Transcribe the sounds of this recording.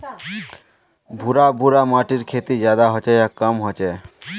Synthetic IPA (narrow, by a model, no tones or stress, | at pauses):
bʱuɾabʱuɾamaʈiɾkʰet̪id͡ʑad̪aɦɔt͡ɕeɛkːamɦɔt͡ɕe